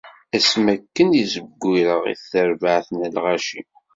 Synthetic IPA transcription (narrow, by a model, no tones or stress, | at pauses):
æsmækːənjizəɡʷːiɾəʁḭθːəɾvəʕθənəlʁæʃi